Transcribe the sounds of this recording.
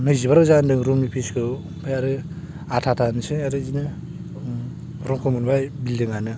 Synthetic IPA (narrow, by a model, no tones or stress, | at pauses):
nɯjzibaɾɯzandɯŋɾumnipʰiskʰɯw | pʰajaɾɯ | atʰatʰanɯsɯaɾɯzinɯ | ɾɔŋkʰɯmunbajbildɯŋanɯ